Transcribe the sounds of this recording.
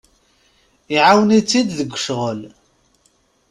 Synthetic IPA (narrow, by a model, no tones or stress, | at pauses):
iʕawnit͡sːid̪ðəɡʷːə̥ʃʁəl